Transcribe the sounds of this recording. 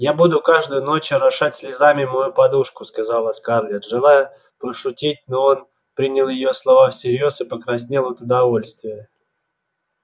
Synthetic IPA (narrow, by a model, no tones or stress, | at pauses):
jabud̪ʊkaʐd̪ʊjʊno̞t͡ɕʊɾɐʂatʲsʲlʲɪzamʲɪmɐjupɐd̪uʂkʊskɐzɑlˠəskarlʲet̪ʐɨlˠajʊ | pɾəʂʊtʲit̚ʲnoo̞n | pɾʲinʲɪlˠjɪjo̞slˠɐvafsʲɪɾʲjo̞sɨpəkɾɐsʲnʲelˠʊt̪ʊd̪ɐvo̞lʲst̪vʲɪjə